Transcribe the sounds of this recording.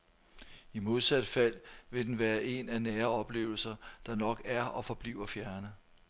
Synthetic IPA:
imo̝ð̞ˠsæd̥fæl̰ʋe̝d̥enʋæːɐʔe̝nænæːɐɒ̽b̥le̝̰ːʊl̩sɐd̥ɑ̈nɒ̽ɡ̥æɐɒ̽fɒ̽b̥lḭːʊɐfjæɐnə

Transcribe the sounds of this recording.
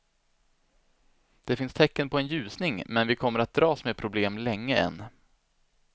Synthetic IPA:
d̪̥ɛfɪnst̪ʰɛkːənpʰɔɛnjʉ̟ːsnɪŋmɛnvɪkʰɔmːəɾat̪̚d̪ɾɑːsmeːpʰɾʊbleːmlɛŋːəɛ̰nː

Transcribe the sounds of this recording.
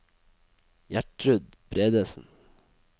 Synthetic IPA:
jæʈɾʉd̪ | b̥ɾeːd̪əsn̩

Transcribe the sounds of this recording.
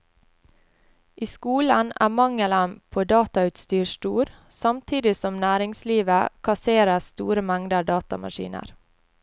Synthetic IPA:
ʔiːskuːlənæ̰ːmɑŋələmpʰoːd̪ɑːt̪ɑʉːt̪st̪yːʃʈuːɾsɑmt̪ʰiːd̪ɪsɔmnæːɾɪŋsliːʋəkʰɑseːɾəst̪ṵːɾəmæŋd̪əɖɑːt̪ɑmɑ̰ʃḭːnə̰ɾ

